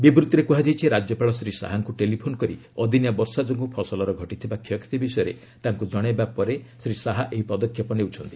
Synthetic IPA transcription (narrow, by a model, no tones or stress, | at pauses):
bibɾut̪ːɾekuɦad͡ʒajt͡ʃʰiɾad͡ʒjɔpaɭɔsɾisa̰ɦaŋkuʈelipʰonɔkɔɾiɔd̪ʱinjabɔɾsad͡ʒɔŋɡupʰɔsɔlɔɾɔɡʱɔʈit̪ʰibakʰjɔkʰi̥t̪ibisɔjɔɾḛ | t̪aŋkud͡ʒɔɽ̃ebapɔɾesɾisaɦaʔeɦipɔd̪ɔkʰːjɔpɔneut͡ʃʰɔnt̪i̥